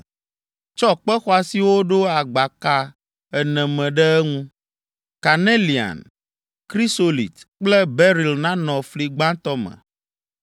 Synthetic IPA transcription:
t͡ʃɔ˦k͡pɛ˦xɔ˦a˨si˦wo˦ɖo˦a˨ɡ͡ba˨ka˦ | ɛ˨nɛ̃˨mɛ̃˨ɖɛ˦ɛ˦ŋũ˦ | ka˨ne˦li˨a̰˨n | kɾi˦so˦lḭ˨t̪k͡plɛ˦bɛ˦ɾi˨lnã˦nɔ̃˨fli˨ɡ͡bã˦t̪ɔ˦mɛ̰̃˨

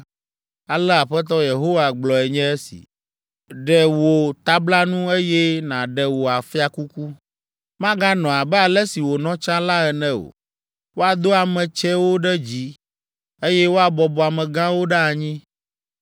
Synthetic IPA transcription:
a˨lɛ˦a˨ɸɛ˦t̪̬ɔ˦je˨ɦo˦wa˨ɡ͡blɔ˨ɛ˨ɲɛ̃˦ɛ˦sḭ˨ | ɖɛ˨wo˨t̪a˦bla˦nũ˦e˦jɛ˦nã˨ɖɛ˨wo˨a˨fi˦a˨ku˦ku˦ | mã˦ɡã˦nɔ̃˨a˨bɛ˦a˨lɛ˦si˨wo˨nɔ̃˦t͡ʃã˦la˦ɛ˨nɛ̃˦o̰˨ | wo˦a˨d̪o˦a˨mɛ̃˨t͡ʃɛ˦wo˦ɖɛ˦d͡ʑi˦ | e˦jɛ˦wo˦a˦bɔ˨bɔ˨a˨mɛ̃˨ɡã˦wo˦ɖa˦a˨ɲĩ˦

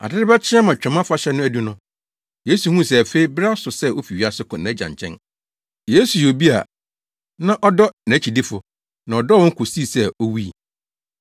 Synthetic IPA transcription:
a̰˨dɪ˦ɾɪ˦ba˦t͡ɕʰɪ̃˦a˦mã˨t͡ɕᶣɛ̃˨mã˦fʊ˦a˦ɕɛ˦nʊ̃˦æ˦du˦nʊ̃˦ | je˦su˨hũ˦˨s̬ɛ˨fe˦i˦bɾa˦sʊ˨sɛ˦o˦fi˨ɥi˨˦a˨sʊ˦kʰɔ̃˨n˨˦˨d͡ʑã̰˨ɲ˨t͡ɕʰɛ̰̃˦n | jeː˦su˨jo˨bi˦a̰˨ | nã˦ʔɔ˦dɔ˦nã˨˦t͡ɕʰi˨di˦fʊ˨ | nã˨ɔ˨dɔ˦wɔ̃˦ŋ̩˦kʰʊ˨si˦˨sɛ˦o˦wi˦˨

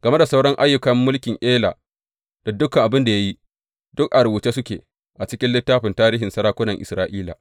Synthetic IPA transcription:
ɡɐ˨me˦da˨sa˦wɽɔ˦ŋʔa˦jːʊ˨kɐ˦mːʊ˦lkʲɪ˨ŋʔeː˦la̰ː˨ | d̥a˨dʊ˦kɐ˨ŋʔa˨bɪ˦nda˨ja˦ji˦ | dʊ˦kʔa˨ɽwu˨t͡ʃeː˦sʊ˦kʲeː˨ | ʔa˨t͡ʃɪ˦kʲɪ˦nlɪ˦tːaː˦ɸɪ˨ntaː˦ɾiː˦ɦɪ˨nsɐ˦ɾaː˦kʷʊ˦nɐ˨ŋʔɪ˨sɾaː˦ʔiː˦la̰ː˨

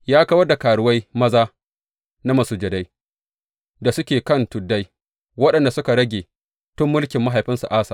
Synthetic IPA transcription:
jaː˦kɐ˦wɐ˦rda˨kaː˨ɽʊ˨wa˦jmɐ˦zaː˦ | na˦mɐ˨suː˨d͡ʒɐ˨da˦j | da˨sʊ˦kʲeː˨kɐ˦˨ntʊ˨dːa˦j | wɐ˦ɗɐ˨nda˨sʊ˦ka˨ɽɐ˦ɡʲeː˨ | tʊ˦mːʊ˦lkʲɪ˨mːa˦ɦa˨jɸɪ˦nsu˨ʔaː˦saː˨

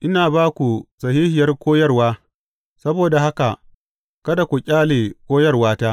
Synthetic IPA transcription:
ʔɪ˦naː˨baː˦kʷu˨sɐ˨hiː˦hɪ˨jɐ˦rkʷoː˦jɐ˦rwaː˦ | sɐ˦boː˨da˨ha˦ka˨ | kɐ˦da˨kʷu˨kʲʼaː˦leː˨kʷoː˦jɐ˦˨rwaː˦taː˦

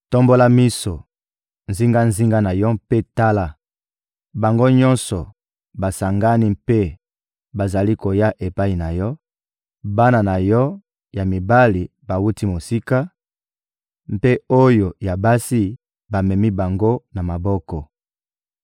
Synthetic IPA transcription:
tɔ˦mbo˦la˦mi˦so˨ | nzi˦ŋɡa˦nzi˦ŋɡa˦na˨jɔ˦pe˦ta˦la˦ | ba˨ŋɡo˦ɲɔ̃˦nsɔ˨ | ba˨sa˨ŋɡa˦ni˦mpe˦ | ba˨za˨li˦ko˨ja˦ʔe˨pa˦i˨na˨jɔ˦ | ba˦na˨na˨jɔ˦ | ja˨mi˨ba˦li˨ | ba˨wu˦ti˦mo˨si˦ka˦ | mpe˦o˦jo˨ja˨ba˦si˦ | ba˨mɛ˨mi˦ba˨ŋɡo˦na˨ma˨bɔ˦kɔ˨

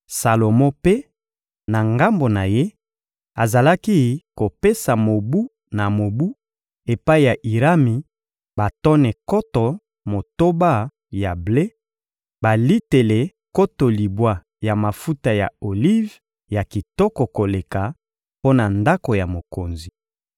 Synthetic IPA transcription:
sa˨lo˨mɔ̃˦pe˦ | na˨ŋɡa˦mbo˨na˨je˦ | a˨za˨la˦ki˦ko˨pe˦sa˨mo˨bu˦ | na˨mo˨bu˦ | e˨pa˦i˨ja˨ʔi˨ʁa˦mi˨ | ba˨tɔ˦nɛ˨kɔ˦tɔ˨ | mo˨to˦ba˦ | ja˨ble˦ | ba˨li˦te˨le˨ | ko˦to˨li˨bwa˦ | ja˨ma˨fu˦ta˨ja̰˨o˨li˦v | ja˨ki˨tɔ˦kɔ˨ko˨le˨ka˨ | po˦na˨nda˦ko˨ja˨mo˨ko˨nzi˨

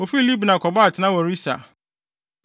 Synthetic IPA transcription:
o˨fi˦li˦bnã˨kʰɔ˨ba˦a˨tʰɪ˨nã˦wɔ˨ɾi˦sa̰˨

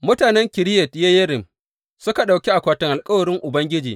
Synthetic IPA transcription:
mʊ˦taː˨nɛ˦ŋkʲɪ˨ɾɪ˦jɛ˨tja˦jɐ˦ɾɪ˨m | sʊ˦ka˨ɗa˨wkʲi˦ʔa˨kʷaː˨tɪ˦ŋʔa˨lkʼɐ˦wɐ˨ɾɪ˦ŋʔʊ˨bɐ˦ŋɡʲɪ˦d͡ʒḭː˨

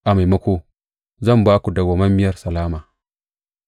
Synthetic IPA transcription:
ʔa˨ma˨jma˦ko˦ | zɐ˦˨mba˦ku˨da˨ɡʷa˨ma˦mːi˦ja˦rsa˨laː˦maː˨

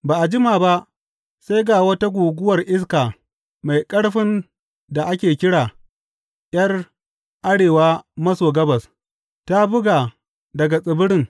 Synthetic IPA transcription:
baː˨ʔa˨d͡ʒɪ˦maː˨ba˦ʔ | sa˦jɡaː˨wɐ˦ta˦ɡʷuː˨ɡʷʊ˦wɐ˨rʔɪ˦s̬kaː˨ | ma˨jkʼɐ˦ɽɸɪ˦n | da˨ʔa˦kʲeː˨kʲɪ˦ɽaː˨ | j̰ɐ˦r | ʔa˦ɽeː˨waː˦mɐ˦soː˨ɡɐ˦bɐ˨s | ta˦bʊ˦ɡaː˨ | dɐ˨ɡa˨sʼɪ˨bɪ˦ɽɪ˦ŋ

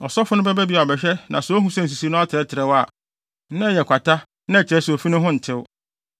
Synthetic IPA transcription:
ɔ˨sɔ˦fʊ˦nʊ̃˦bɛ˦bɛ˦bi˦a˨bɛ˨ɕᶣɛ˦nʔã˨so˦ɦũ˦sɛ̃˦n̩˨s̬i˨si˦nʊ̃˦a˦tʰɛ˦tʰɪ˨ɾɛ˦wa˨˦ | nã˦˨jɛ˨kʰʷa˨ta˦ | nã˦ɛ˨t͡ɕʰɪ˨ɛ˦so˨fi˦nʊ̃˦ɦʊ̃˦n̩˨tʰɪ˦ʊ˦

